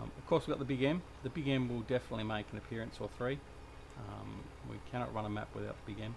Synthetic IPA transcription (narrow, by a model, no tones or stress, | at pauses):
ʌv̥kʰɔɹswiɡɑt̪̚ðəbɪɡɛ̃m | ðɨbɪɡɛ̃ɪ̃mwɪlˠdɛfənətˡlimeɪknɨpʰɪɹɨ̃nsəθɹĩ | m | wḭkʰæñɑ̰ʔ̚ɹʌ̃ñəmæ̰pwɨðaʊt̪̚ðəbɪɡẽɪ̃m